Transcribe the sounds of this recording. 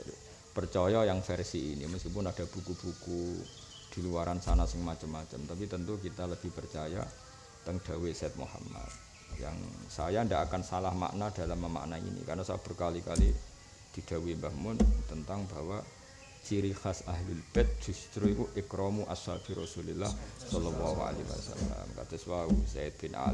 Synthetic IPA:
pərt͡ʃɔjɔjaŋfɛrsiinḭməskipʊnad̥ab̥ukub̥uku | d̥iluaɾansanasɪŋmat͡ʃəmːat͡ʃəmt̪apit̪ənt̪uk̬it̪aləb̥ɪhpərt͡ʃaja̰ | t̪əŋd̥a̤wesɛt̪̚mṵha̰ma̰t̪̚ | ja̰ŋsa̰jandaʔakansalahma̰ʔnad̥alamːəma̰ʔnaḭnḭka̰rnasaab̥ərkalikali | d̪̥i̤d̪̥a̤wimbahmʊnt̪ənt̪aŋbawa | t͡ʃiɾixasaɦlʊlb̥ɛt̪̚d͡ʒ̥ust̪ɾuikuʔɪkɾɔmuʔasafiɾɔsulilːa̰hsɔlɔlːɔɦua̰liwa̰sa̰lːa̰mka̰t̪əswausaɪt̪̚b̥ɪnʔa̰

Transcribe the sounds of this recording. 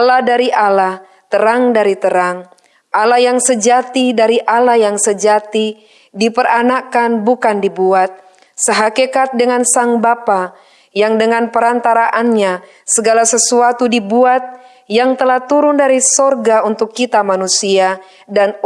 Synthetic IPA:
lahdaɾiʔalah | t̪əɾaŋdaɾit̪əɾaŋ | ʔalajaŋsəd͡ʒat̪idaɾiʔalajaŋsəd͡ʒat̪i | dipəɾanakanbukandibuat̪̚ | səɦakekat̪̚dəŋansaŋbapa | jaŋdəŋanpəɾant̪aɾaʔanɲa | səɡalasəsuat̪udibuat̪̚ | jaŋt̪əlaht̪uɾʊndaɾisɔrɡaunt̪ʊkːit̪amanusia | dan

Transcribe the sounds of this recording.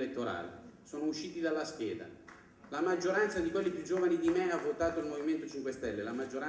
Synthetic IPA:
let̪ːoɾa̰ːlḛsoːnouʃːiːt̪id̪alːaskjɛːd̪a̰ | lamad͡ʒːoɾant̪sad̪ikwelːipjud͡ʒːoːvanid̪imeavːot̪aːt̪oilmoviment̪ot͡ʃiŋkwest̪ɛlːelamad͡ʒːoɾa

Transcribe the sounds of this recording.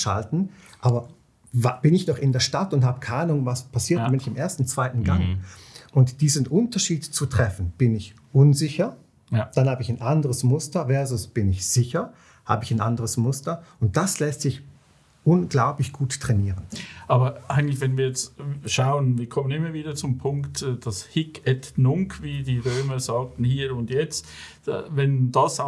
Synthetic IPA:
ʃa̰ltn̩ | ʔaːbɐ | vab̥ɪnɪçnɔχɪndeːɐʃtatʊnthaːbəkʰaaːnʊŋvaspʰasiːɐdamɪnɪçɪmʔeːɐstn̩t͡sv̥aɪtn̩ɡaŋʔʊntd̥iːzənʔʊntɐʃiːdt͡sutʁ̥ɛfn̩b̥ɪnɪç | ʔʊnzɪçɐ | d̥anhaːbəɪçanʔandəʁəsmʊstɐvɛɐzʊsb̥ɪnɪçz̥ɪçɐ | ha̰ːbəɪçanʔandəʁəsmʊstɐʊnt̚d̥aslɛstz̥ɪç | ʔʊnɡ̥laʊplɪçɡ̥uːttʁ̥ɛniːʁənʔaːbɐʔaɪɡŋ̩tlɪç̬vɛnviːɐjɛt͡stʃaʊənviːɐkʰɔmənɪmːɐviːdɐt͡sʊmpʰʊŋktːd̥ashɪkɛtnʊŋkviːdiːʁøːmɐzaːk̚tn̩hiːʊntjɛt͡st | vɛndasa

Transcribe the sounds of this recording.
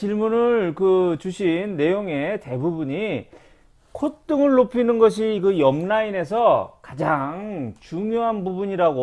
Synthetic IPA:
t͡ɕiɭmunɯɭkɯt͡ɕuɕʰinːe̞joŋe̞te̞bubuɲi | kʰot͈ɯŋɯɭːopʰinɯnɡʌɕ̬ʰikɯjʌmnaine̞s̬ʰʌkad͡ʑaŋt͡ɕuŋjoɦanbubuɲiɾaɡo

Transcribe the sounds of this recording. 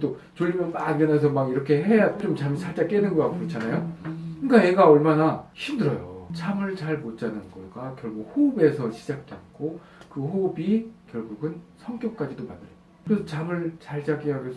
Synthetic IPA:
t͈o | t͡ɕoʎːimjʌnp͈aɡenasʰʌmaɡiɾʌkʰe̞ɦe̞jaɯɾʌmt͡ɕamisʰaɭt͡ɕ͈ak͈enɯnɡʌaɡokɯɾʌt͡ɕʰanajokɯk͈aje̞ɡaʌɭmanaçimdɯɾʌjot͡ɕʰamɯɭt͡ɕaɭmott͡ɕ͈anɯnɡʌɡakjʌɭɡuhobe̞sʰʌɕʰid͡ʑak̚k͈et̚k͈o | kɯɦobikjʌɭɡuɡɯnsʰʌŋk͈jʌk̚k͈ad͡ʑidomandɯɾʌ | kɯɾesʰʌt͡ɕamɯɭt͡ɕaɭt͡ɕaɡejaɡesʰ

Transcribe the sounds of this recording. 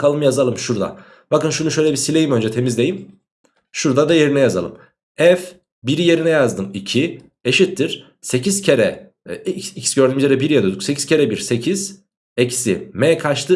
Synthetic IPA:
kalˠɯmjazalˠɯmʃuɾd̪a̰ | b̥akɯnʃunuʃø̞jlʲɛbisilʲe̞jimø̞nd͡ʒɛt̪ʰe̞mizd̪e̞jim | ʃuɾd̪ad̪aje̞ɾinɛjaza̰lˠɯ̰m | ɛf | biɾije̞ɾinɛjazd̪ɯmicʰi | eʃit̪ʰːiɾ̥ | se̞cʰizcʰeɾɛ | cicsɟø̞ɾd̪yːmyzeɾɛbiɾjad̪ød̪ykse̞cʰiz̥cʰe̞ɾɛbiɾse̞cʰiz̥ | eci̥simɛkʰaʃt̪ʰˠɯ

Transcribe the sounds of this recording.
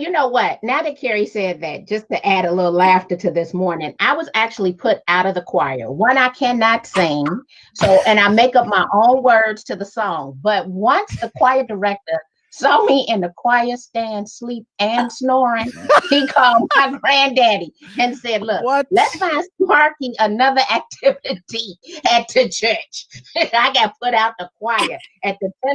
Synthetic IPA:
jɨnoʊwʌt̚naʊðɨt̚kʰɛɹisɛd̪̚ðɨt̚d̥ʒ̥ʌstʰɨʔæɾəlɪɾl̩ˠlæftə˞ɾɨðɪsmɔɹnɪ̃ŋa̰ɪwʌzæk̚t͡ʃul̩ˠipʰʊɾaʊɾʌvðəkʰw̥aɪə̰˞wʌ̃ñaɪkʰæ̃nɑtsɪ̃ŋ | soʊʔɨ̃ɾ̃aɪmeɪkʌp̚maɪʔõʊ̃nwɜ˞dz̥tʰɨðəsɔ̃ŋbʌt̚wʌ̃nsðəkʰw̥aɪə˞də˞ɛk̚tə˞ | sɔmiʔɪ̃nðɨkʰw̥aɪə˞stæ̃nd̥slip̚ɨ̃nsnɔɹɪ̃ŋhikʰɔlˠd̚maɪɡɹæ̃ndæɾiɨ̃nsɛdˡlʊk̚lɛtsmaɪ̃smɑɹkɪ̃ŋənʌðə˞ʔæk̚tʰɪvɪɾiɨt̪̚ðɨt͡ʃʰɜ˞t͡ʃɨ̃naɪɡɑt̚p̚ʰʊɾaʊt̪̚ðəkʰw̥aɪɨ˞ɨt̪̚ðɨɛ

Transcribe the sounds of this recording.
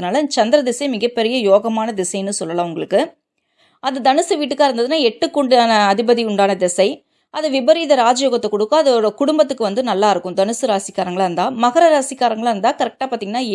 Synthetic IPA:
ɯnaːlɐt͡ʃɐnd̪ɾɐd̪ɪsɐɪmɪɣɐpːɛɾɪjɐjoːɣɐmaːnɐd̪ɪsɐɪjnːɯsɔlːɐlãːʊŋɡɐɭɯkːɯ | ɐðɐd̪ɐnɯsɯʋiːʈːɯkːaːɪɾɯnd̪ɐðɯnːaːɛʈːɯkːʊɳɖɯaːnɐːðɪbɐðiʊɳɖaːnɐd̪ɪsɐɪ | ɐðɯʋɪbɐɾiːðɐɾaːd͡ʒɐjoːɣɐt̪ːɐkːɔɽɯkːɯ̃ɐðɯɔɾɐkʊɽʊmbɐt̪̬ːɯkːɯʋɐnd̪ɯnɐlːaːɪɾɯkːɯ̃md̪ɐnɯsɯɾaːsɪkːaːɾɐŋɡɐɭaːɪɾɯnd̪aːmɐɣɐɾɐɾaːsɪkːaːɾɐŋɡɐɭaːɪɾɯnd̪aːkɐɾɛk̚ʈaːpaːɾt̪iːŋɡɐnːaː

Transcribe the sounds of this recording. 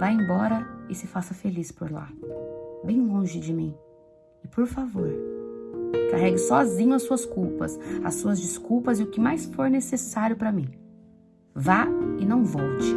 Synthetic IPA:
vajẽbɔɾɐɪsɪfasɐfelispoɾla̰ | bẽj̃lõʒɪd͡ʒɪmĩ | ɪpoɾfavoɾ | kaɦɛɡɪsɔzĩɲʊɐssuɐskuwpɐ̰sɐ̰sːuɐzd͡ʒɪskuwpɐzɪʊkɪmajsfoɾnesesaɾjʊpɾɐmĩ | vaɪnɐ̃w̃vɔwt͡ʃɪ

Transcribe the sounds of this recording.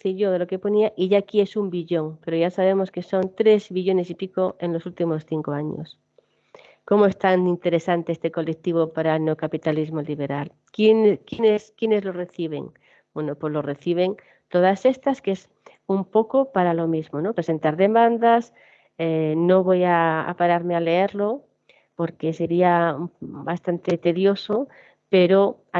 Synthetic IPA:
θiʎoðelokepo̞niaʔiʝakie̞sumbiʎo̞ŋpe̞ɾoʝasaβ̞e̞mo̞ske̞sont̪ɾe̞zβiʎo̞ne̞sipikoenlo̞sult̪imo̞sθiŋkoaɲo̰s | ko̞moe̞st̪anint̪e̞ɾe̞sant̪eest̪e̞ko̞lek̚t̪iβ̞opaɾanokapit̪alizmoliβ̞e̞ɾal | kjenkjeneskjenezlo̞re̞θiβ̞ḛŋ | bwenopwozlo̞re̞θiβ̞e̞ŋ | t̪oð̞ase̞st̪askes | umpo̞kopaɾalo̞mizmonopɾese̞nt̪aɾðe̞mãnd̪as | eno̞β̞o̞jaa̰paɾaɾmeale̞eɾlo̞ | po̞ɾke̞se̞ɾiabast̪ant̪e̞t̪e̞ðjo̞so | pe̞ɾo

